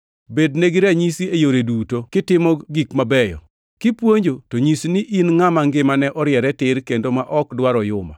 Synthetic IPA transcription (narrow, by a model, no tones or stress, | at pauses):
bedneɡiɾaɲisiejoɾedutokɪtɪmɔɡikmabɛjɔ̰ | kɪpwoɲd͡ʒotoɲisnɪʔinŋamaŋɡɪmanɛʔɔɾɪjɛɾɛtɪɾkendomaʔɔkdwaɾɔjʊma̰